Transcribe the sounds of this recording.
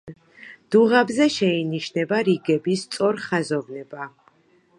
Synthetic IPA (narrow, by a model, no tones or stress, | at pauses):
d̪̥uʁabzɛʃɛiniʃnɛbaɾiɡɛbist̪sʼɔɾχazɔvnɛba